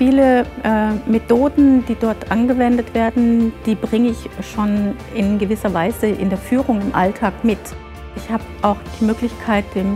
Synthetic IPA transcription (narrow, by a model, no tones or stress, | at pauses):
fiːləʔɛːmetʰoːdn̩d̥iːdɔɐtʔanɡəvɛndətv̥eːɐdn̩d̥iːbʁɪŋəɪçʃoːn | ɪnɡəvɪsɐvaɪzəʔɪ̰ndeːɐfyːʁʊŋɪmʔa̰ltʰaːkmɪt | ʔɪçhaːbəʔaʊxd̥iːmøːklɪçkʰaɪt̚d̥eːm